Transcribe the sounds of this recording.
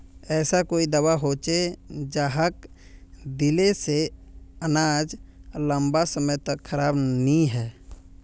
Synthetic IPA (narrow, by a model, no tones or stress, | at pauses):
ɛːsakoːid̪əwaɦoːt͡ʃed͡ʒaːɦək | d̪ɪleseənaːd͡ʒlə̃mbasəməjt̪əkʰːəɾaːbnĩɦɛː